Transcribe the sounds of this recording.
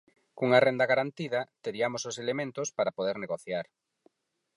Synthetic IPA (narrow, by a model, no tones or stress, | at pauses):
kuŋɐrend̪ɐɣaɾant̪iðɐt̪eɾiamososelemẽnt̪ʊspaɾapoðeɾneɣoθjaɾ